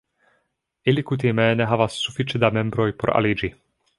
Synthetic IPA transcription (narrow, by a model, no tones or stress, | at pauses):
ilikut̪̬imɛːnɛɦaʋasːufit͡ʃɛd̪amɛmbɾɔjpɔɾa̰lid͡ʒi